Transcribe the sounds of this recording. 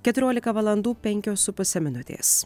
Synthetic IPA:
kʲɛt̪ʊɾʲoɔlʲɪkɐʋɐlˠɐnd̪uːpʲɛŋʲkʲoːsʊpʊsʲɛmʲɪnʊt̪ʲḛːs

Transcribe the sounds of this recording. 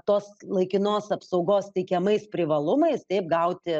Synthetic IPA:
t̪oːslˠɐɪkʲɪnoːsɐpsɐʊɡoːst̪ʲɛɪkʲɛmɐɪspʲɾʲɪʋɐlˠʊmɐɪst̪ɛɪp̚ɡɐʊt̪ʲɪ

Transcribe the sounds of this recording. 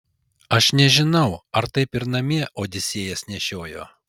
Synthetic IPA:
ɐʃnʲɛʒʲɪnɐʊɐɾt̪ɐɪpɪɾnɐmʲiɛʔoːd̪ʲɪsʲeːjɛsnʲɛʃʲoːjo̰ː

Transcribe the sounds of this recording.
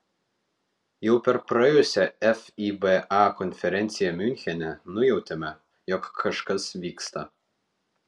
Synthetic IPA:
jɛʊpʲɛɾpɾɐjɛjʊsʲɛɛfʲibɛʔɑkɔnʲfʲɛɾʲɛnt̪sʲɪjɛmʲynʲxʲɛnʲɛnʊjɛʊt̪ʲɛmʲɛ | jɔkʰːɐʃkɐsʋʲiːkst̪ɐ

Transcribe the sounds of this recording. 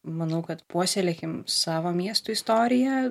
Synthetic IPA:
mɐnɐʊkɐt̪puɔsʲelʲeːkʲɪmsɑːʋoːmʲiɛst̪uist̪oːɾʲɪjɛ

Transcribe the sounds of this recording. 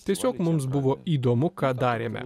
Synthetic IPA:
t̪ʲiɛsʲoːkmʊms̬bʊʋoːiːd̪oːmʊkɑːd̪ɑːɾʲḛːmʲɛ̰

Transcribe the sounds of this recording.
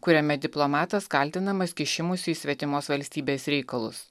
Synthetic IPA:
kʊɾʲɛmʲɛd̪ʲɪplˠomɑːt̪ɐskɐlʲt̪ʲɪnɐmɐskʲɪʃʲɪmʊsʲɪsʲʋʲɛt̪ʲɪmoːsʋɐlʲsʲt̪ʲiːbʲeːsɾʲɛɪkɐlˠʊ̰s

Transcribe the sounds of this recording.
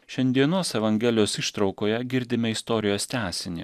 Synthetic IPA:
ʃʲɛnʲd̪ʲiɛnoːsɛʋɐŋʲɡʲɛːlʲɪjoːsiʃt̪ɾɒʊkoːjɛɡʲɪɾʲd̪ʲɪmʲɛɪst̪ɔːɾʲɪjoːst̪ʲæːsʲɪnʲɪ̰

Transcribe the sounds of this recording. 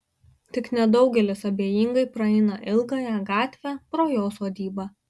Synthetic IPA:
t̪ʲɪknʲɛd̪ɒʊɡʲɛlʲɪsɐbʲeːjiːŋɡɐɪpɾɐɛɪnɐʔɪlˠɡɐjɛɡɑːt̪ʲʋʲæpɾoːjoːsoːd̪ʲiːbɑ

